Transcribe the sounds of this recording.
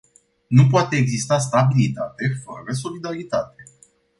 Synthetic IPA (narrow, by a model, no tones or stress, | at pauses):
nupoat̪e̞ːɡzist̪ast̪abilit̪at̪e̞fə̰ɾəs̬o̞lid̪aɾit̪at̪e̞